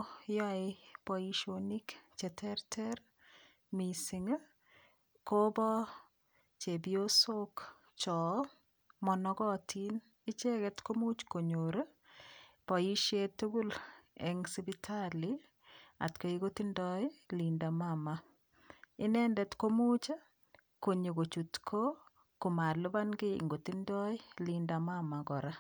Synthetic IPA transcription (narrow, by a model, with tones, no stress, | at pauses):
jɔ˦ɪpɔiʃoni˦kt͡ʃɛ˨tʰɛɾtʰɛɾ | mi˨si˨ŋ | ko˦bɔ˦ | t͡ʃe˨bio˦so˦k | t͡ʃɔ˨ | mɔ˨nɔɡɔ˦tʰin | ɪ˦t͡ʃe˦ɡɛtko˦mu˦t͡ʃko˨ɲoɾe | pɔ˨i˦ʃje˦tu˦ɡu˦lɛ̰˨ŋsi˦bitʰali | a̰˨tko˨iɡo˦ti˦ndɔɪ˦li˨nda˨mama | ɪ˦nɛ˦ndɛ˦tko˦mu˦t͡ʃa˦ | ko˨ɲe˨ɡo˨t͡ʃu˨tkʰo˦ | ko˨ma˨lʊ˦ba˦nɡɪ˦ḭ˨ŋɡo˨ti˦ndɔ˦ɪ˦linda˨mama˨ɡɔ˨ɾa˦